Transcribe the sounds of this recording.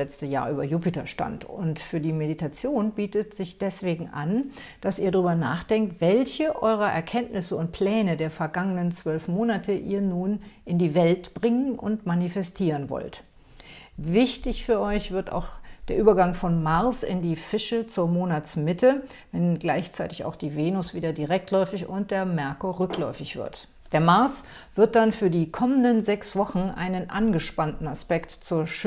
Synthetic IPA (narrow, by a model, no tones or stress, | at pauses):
lɛt͡stəja̰ːɐʔyːbɐ̰juːpɪtɐ̰ʃta̰ntʊntfyːɐdiːmeditʰat͡sjoːnbiːtətz̥ɪçd̥ɛsv̥eːɡŋ̩ʔa̰n | d̥asiːɐdʁyːbɐna̰ːχd̥ɛŋk̚tv̥ɛlçəʔɔʏʁ̞ɐʔɛ̰ɐkʰɛntnɪsəʊnt̚pʰl̥ɛːnədeːɐfɛɐɡaŋənənt͡sv̥œlfmoːnatʰəʔḭːɐnuːnʔɪndiːvɛltb̥ʁɪŋənʔʊ̰ntmanifɛstʰiːʁənvɔ̰lt | vɪçtɪçfyːɐʔɔʏçv̥ɪɐta̰ʊxd̥eːɐʔyːbɐɡaŋfɔnmaʁsɪ̰ndiːfɪʃət͡suːɐmoːnat͡smɪtʰə | vɛnɡlaɪçt͡saɪtɪça̰ʊxd̥iːveːnʊsv̥iːdɐdiʁɛk̚tʰlɔʏfɪçʊnt̚d̥eːɐmɛɐkoʁʏklɔʏfɪçv̥ɪ̰ɐt | d̥eːɐmaɐs | v̥ɪɐt̚d̥anfyːɐdiːkʰɔməndənzɛksv̥ɔχn̩ʔa̰ɪnənʔanɡəʃpantn̩aspɛktt͡suːɐʃ